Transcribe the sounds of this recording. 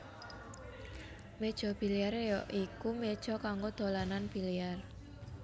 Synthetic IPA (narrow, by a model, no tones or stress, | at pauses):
med̥ʒ̥ɔ̤b̥i̤liaɾejɔʔikumed̥ʒ̥ɔ̤kaŋɡod̪̥o̤lananb̥iliar